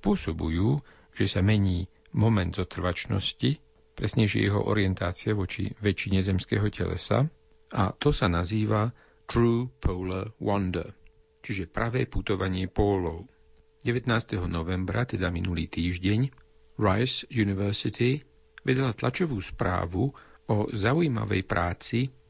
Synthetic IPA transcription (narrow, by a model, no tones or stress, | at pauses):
pʊɔsɔbṵjuː | ʒ̥ɛsamɛɲiː | mɔmɛnd̪zɔt̪r̩ʋat͡ʃnɔ̰sci | pɾɛsɲɛʃɪɛ̰jɛɦɔ̰ʔɔ̰ɾɪɛnt̪aːt͡siɪɛʋɔt͡ʃḭʋɛt͡ʃiɲɛzɛmskɛ̰ːɦɔcɛ̰lɛ̰sa̰ | a̰t̪ɔsanaziːʋa | t̪ɾuːpʰɔʊlɛwɔnd̪ɛ̰ | t͡ʃiʒɛpɾaʋɛːput̪ɔʋaɲɪɛpɔːlɔʊ | ɟɛʋɛt̪naːst̪ɛɦɔnɔʋɛmbɾat̪ɛd̪aminulḭːt̪iːʒɟɛɲ | ɾajsjuniʋɛɾsit̪ʰi | ʋɛd̪ɛlat̪lat͡ʃɔʋuːspɾa̰ːʋuɔzaujima̰ʋɛ̰jpɾaːt͡si